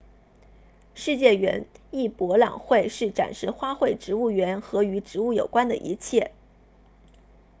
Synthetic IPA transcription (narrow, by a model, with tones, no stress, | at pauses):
ʂɻ̩˥˧t͡ɕjɛ˥˩ɥɛ̰˧˥ni˥˩pwɔ˧˥lɑ̰˨˩ŋxwe˥˧ɪʂɻ̩˥˩ʈ͡ʂa̰˨˩nʂɻ̩˥˧xwa˥xwe˥˩ɪʈ͡ʂɻ̩˧˥u˥˩ɥɛ˧˥nxɤ˧˥y˧˥ʈ͡ʂɻ̩˧˥u˥˩jo˨˩ʊkwa˥nd̪ə̰˨ʔḭ˧˥t͡ɕʰjɛ˥˩